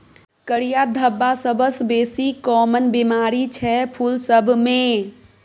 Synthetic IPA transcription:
kəɽijad̪ʱəbːasəbəsbeːsikɔːmənbimaːɾit͡ʃʰɛpʰulsəbʱmẽ

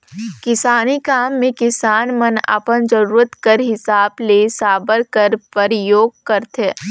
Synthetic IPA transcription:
kɪsaːnikaːmːẽkɪsaːnmənə̰pənd͡ʒəɾuːɾət̪kəɾɦɪsaːblesaːbəɾkəɾpəɾjoːɡ̚kəɾt̪ʰeː

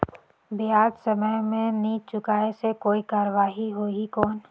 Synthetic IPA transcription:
bɪɦaːd̪səməjmẽnit͡ʃʊkaːesekoːikaːɾəʋaːɦiɦoːikɔːn

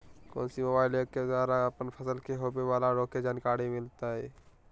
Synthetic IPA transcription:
ko̰ːnsiməbaːɪlekːezaːɾaəpənpʰəsəlkeɦoːpeʋaːlaɾoːked͡ʒaːnkaːɽimɪlt̪aɦɛː

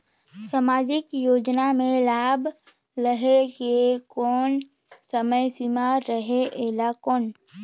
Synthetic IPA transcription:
samaːd͡ʒɪkjoːd͡ʒnamẽlaːb | ɾəɦekekɔːn | səməjsimaɾəɦeʔeːlakɔːn

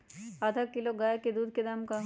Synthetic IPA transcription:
ad̪ʱakiloɡaːjeked̪uːd̪̚ʱked̪amka

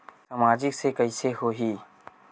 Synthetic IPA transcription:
samaːd͡ʒɪksekəiseɦoːɦiː

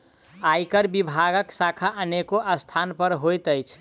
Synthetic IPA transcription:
ajkəɾbibʱaɡəksakʰaʔənekoʔəst̪ʰanpəɾɦojt̪əjt͡ʃʰ

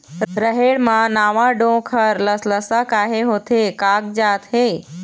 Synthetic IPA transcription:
ɾəɦeɽmãnaːʋãɖõːkʰəɾləsləsəkaːɦeɦoːt̪ʰekaːk̚d͡ʒaːt̪ɦeː

